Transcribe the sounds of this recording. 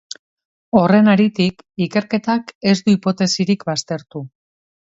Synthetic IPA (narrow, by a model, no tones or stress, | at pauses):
o̞re̞naɾit̪ik | ike̞ɾke̞t̪ake̞zd̪uipo̞t̪e̞siɾikβast̪e̞ɾt̪u